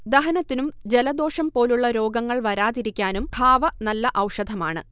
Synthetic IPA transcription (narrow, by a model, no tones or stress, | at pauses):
d̪ɐɦɐnɐt̪ːinumd͡ʑe̞lɐd̪o̞ːʂɐmpo̞ːluɭːɐɾo̞ːɡɐŋːɐɭʋɐɾaːðiɾikʲːaːnumbʱaːʋɐnɐlːɐʔɐwʂɐd̪ʱɐma̰ːɳɨ̰